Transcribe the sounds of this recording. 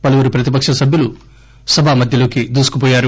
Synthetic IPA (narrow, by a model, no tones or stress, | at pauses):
pɐluʋuɾupɾɐt̪ipɐkʂɐsɐbʱjulu | sɐbʱaːmɐd̪ʱjɐlo̞ːkid̪uːsu̥kup̬ɔːjaːɾu